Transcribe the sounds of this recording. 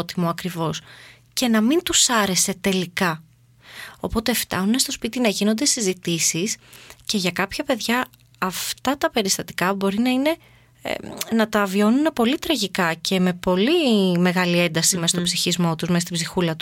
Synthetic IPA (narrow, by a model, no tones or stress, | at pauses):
t̪imoɐkɾivo̞s | ce̞nɐmint̪usɐɾe̞se̞t̪e̞likɐ | o̞po̞t̪eft̪ɐ̰nune̞st̪o̞spit̪inɐʝino̞nd̪e̞sizit̪isisce̞ʝɐkɐpçɐpe̞ðʝɐː | ft̪ɐt̪ɐpe̞ɾist̪ɐt̪i̥kɐbo̞ɾinɐine̞̰ | nɐt̪ɐvio̞nune̞po̞lit̪ɾɐʝikɐce̞me̞po̞lime̞ɣɐlie̞nd̪ɐsime̞st̪obsiçizmo̞t̪uzme̞st̪ibzixulɐt̪u̥